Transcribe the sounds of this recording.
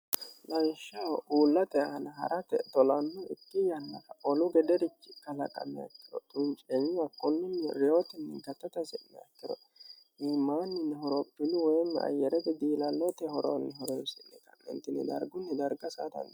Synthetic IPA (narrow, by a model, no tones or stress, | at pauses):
lɐjʃːɐuːlːɐt̪ɛɐhɐnɐɦɐ̰ɾʔɐt̪ɛt̪ɔlɐnːɔɪt̪ːɪjɐnːɐkɐʔɔlʊɡɛd̪ɛɾɪt͡ʃːɪkːɐlɐkʼɐ̰nːɛɐ̰kːɪ̥ɾɔt̪ʼʊnt͡ʃʼɛɲɪɐkʼːɔnːɪnːɛɾɛjot̪ɛnːɛɡɐt̪ːɐt̪ɐsɛnːɛ̰ɐkːɪɾɔ̰ | ʔimaːnːɪnːɪɦɔɾɔpːɪnːɪwɔjɛmːɛɐ̰jɛɾɛbɛd̪iːlɐlːɔt̪ɛhɔɾo̰nːɪɦɔɾɛːsɪnːɛ̰kɐmːɛ̰nt̪ɪnːɪ̰d̪ɐ̰ɾɡʊnːɪd̪ɐɾɡɐsaːd̪ɐ̰n